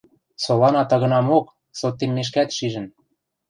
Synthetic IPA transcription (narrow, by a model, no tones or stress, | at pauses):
solɑnɑt̪ɤ̆ɣɤ̆nɑmok | sot̪ːemːeʃ̬kæt̪ʃiʒə̆n